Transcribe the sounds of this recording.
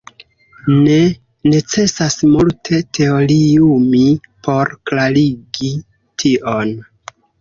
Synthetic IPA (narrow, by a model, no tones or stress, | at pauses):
ne̞ | ne̞t͡se̞sasmultʰe̞tʰe̞oɾiumipʰo̞ɾklaɾiɡi | tʰiʔon